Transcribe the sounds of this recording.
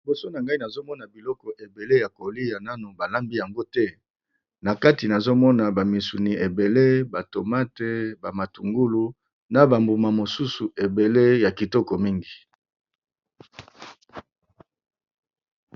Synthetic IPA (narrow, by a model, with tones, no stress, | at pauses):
i˨bo˨so˦na˨ŋɡa˦i˦na˨zo˦mɔ˦na˨bi˨lɔ˦kɔ˨ʔe˨be˨le˦ja˨ko˨li˦ja˨na˦no˨ba˨la˦mbi˦ja˨ŋɡo˦tɛ˦ | na˨ka˦ti˨na˨zo˦mɔ˦na˨ba˨mi˨su˨ni˨ʔe˨be˨le˦ba˨to˨ma˦te˦ba˨ma˨tu˨ŋɡu˦lu˨ | na˨ba˨mbu˨ma˨mo˨su˦su˨ʔe˨be˨le˦ja˨ki˨tɔ˦kɔ˨mi˦ŋɡi˨